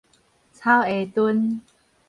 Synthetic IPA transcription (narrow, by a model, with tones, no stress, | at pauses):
t͡sʰa˦we˨˩t̪u˧n